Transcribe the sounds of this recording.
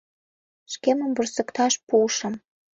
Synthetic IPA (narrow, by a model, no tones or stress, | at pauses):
ʃkemə̆mvursə̆kt̪ɑʃpuʃə̆m